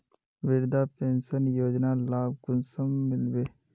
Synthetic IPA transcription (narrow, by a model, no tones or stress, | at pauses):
ʋɪɾd̪apẽːnʃənjoːd͡ʒnalaːb̚ɡʊnsəmːɪlbeː